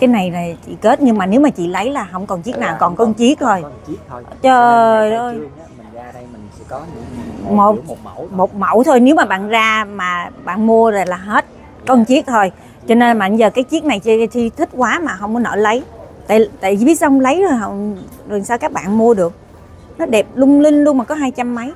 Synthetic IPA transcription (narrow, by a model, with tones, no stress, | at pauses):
kaː˨˦jna˨˩jzaː˨˩t͡ɕḭ˧˨ke˦˥t̚ɲɨ˧ŋmaː˨˩ne˨˦wmaː˨˩t͡ɕḭ˧˨lə˨˦jlaː˨˩ɦə˧wŋ͡mkɔ˨˩nt͡ɕi˦˥ək̚naː˨˩wkɔ˨˩nkɔ˧nt͡ɕi˦˥ək̚t̪ʰo˧j | t͡ɕə˧o˧j | mo˨˩t̚mo˨˩t̚mə̰˧˩wt̪ʰo˧jne˨˦wmaː˨˩ɓa̰ː˧˨nzaː˧maː˨˩ɓa̰ː˧˨nmu˧əzo˨˩laː˨˩ɦe˦˥t̚ | kɔ˧nt͡ɕi˦˥ət̚t̪ʰo˧j | t͡ɕɔ˧ne˧nma̰ː˧˩ŋzəː˨˩kaː˨˦jt͡ɕi˦˥ək̚na˨˩jt͡ɕt̪ʰi˧t̪ʰï˦˥k̚kwaː˨˦maː˨˩ɦə˧wŋ͡mkɔ˨˦nə̰ː˧˨˩lə˨˦jt̪a̰ː˧˨jt̪a̰ː˧˨jzi˨˦ət̚sə˧wŋ͡mlə˨˦jzo˨˩jɦə˧˨wŋ͡m | zo˨˩saː˧wkaː˦˥k̚ɓa̰ː˧˨nmu˧əɗɨ˨˩ək̚ | nɔ˨˦ɗɛ˨˩p̚lʊ˧wŋ͡mlï˧ŋ̟lu˧əŋmaː˨˩kɔ˨˦ɦaː˧jt͡ɕa˧mːa˨˦j